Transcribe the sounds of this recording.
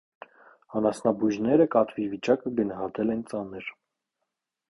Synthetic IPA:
ɑnɑsnɑbuʒnɛɾəkɑt̪ʰvivit͡ʃɑkəɡənɑɦɑt̪ɛlɛnt͡sɑnəɾ

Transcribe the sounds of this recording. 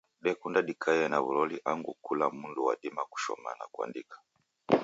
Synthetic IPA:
ɗɛkundaɗikʰajɛnaβulɔliʔaŋɡukulamunduwaɗimaku̥ʃɔ̰ma̰na̰kwa̰ndikḁ

